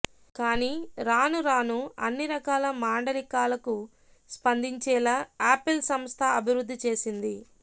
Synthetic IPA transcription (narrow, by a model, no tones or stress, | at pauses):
kaːniːɾaːnuɾaːnuɐ̰nːiɾɐkaːlɐmaːɳɖɐlikaːlɐku | spɐnd̪iɲt͡ʃɛːlaːaːpilsɐmst̪ʰɐɐbʱiɾud̪ʱːit͡ʃe̞ːsind̪i